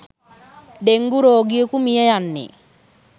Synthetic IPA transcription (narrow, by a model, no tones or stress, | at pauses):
deŋɡuɾɔɡiekumiejanːɪ̰